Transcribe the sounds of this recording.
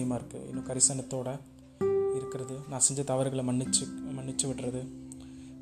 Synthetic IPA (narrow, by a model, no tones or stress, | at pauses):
ɪjɐmaːɪɾɯkːɯ̰ɪ̰nːõːkɐɾɪsɐnɐt̪ːoːɽɐ | ɪɾɯkːɪɾɐðɯnãːsɛɲd͡ʒɐt̪ɐʋɐɾɣɐɭmɐɳːɪt͡ʃːɯmɐɳːɪt͡ʃːɯʋɪʈːrɐðɯ